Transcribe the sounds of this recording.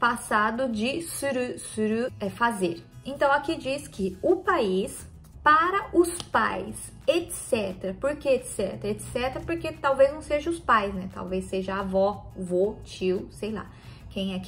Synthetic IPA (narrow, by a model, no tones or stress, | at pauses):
pasad̪ʊd͡ʒɪsuɾusuɾuɛfazeɾẽnt̪ɐ̃w̃akid͡ʒiskʰɪʊpais | paɾɐʔʊspa̰js | et̪sɛt̪eɾɐpoɾkeet̪sɛ̰t̪eɾɐet̪sɛt̪eɾɐpoɾket̪awveznɐ̃w̃seʒɐ̃ʊspajsnɛt̪a̰wvesːeʒɐavɔvot͡ʃiwsejla̰ | kẽj̃ɛk